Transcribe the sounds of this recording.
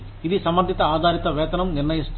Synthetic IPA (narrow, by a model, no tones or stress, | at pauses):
ɪðisɐmɐɾd̪ɪt̪ːɐaːd̪ʱaːɾɪt̪ːɐʋeːt̪ɐnɐmnɪɾɳɐjɐst̪